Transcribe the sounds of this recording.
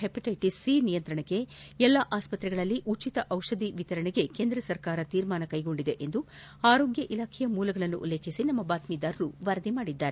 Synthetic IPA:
ɦepiʈɐjʈisiːnijɐnt̪ɾɐɳɐkːe̞ɛlːaʔaːspɐt̪ɾɛɡɐɭɐlːiʔut͡ʃit̪ɐʔɐwʂɐd̪iʋit̪ɐɾɐɳɛɡe̞keːnd̪ɾɐsɐɾkaːɾɐt̪iːɾmaːnɐkɐjɡo̞ɳɖid̪e̞ʔend̪uaːɾo̞ːɡjɐʔilaːkʰɛjɐmuːlɐɡɐɭɐnːṵʔṵleːkʰisinɐmːɐbaːt̪mid̪aːɾɾuʋɐɾɐd̪imaːɽid̪ːaːɾe

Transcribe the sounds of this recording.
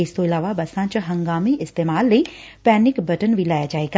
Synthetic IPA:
ɪst̪oɪlaːʋabɐsãt͡ʃɦɐ̃ŋɡaːmiʔɪst̪eːmaːlːəi | pɛːnɪkbɐʈənʋʱilaːjad͡ʒaːeːɡa

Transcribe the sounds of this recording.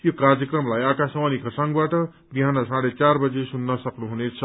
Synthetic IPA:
jokard͡zʌkrʌmlajakasʌwʌnikʰʌsaŋɡbaʈʌ | biɦanʌsãɽet͡sarbʌd͡zesunːʌsʌknuɦunet͡sʰʌ

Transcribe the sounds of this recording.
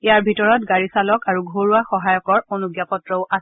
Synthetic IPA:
ijaɹbʱitɔɹɔtɡaɹisalɔkaɹuɡʱoɹuaxɔɦajɔkɔɹonuɡjapɔtɹɔʊʔas

